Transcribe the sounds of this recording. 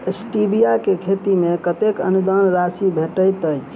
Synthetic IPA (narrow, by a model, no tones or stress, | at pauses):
esʈibijakekʰet̪imekət̪ekə̰nud̪ɔnɾasibʱeʈəjt̪əjt͡ʃʰ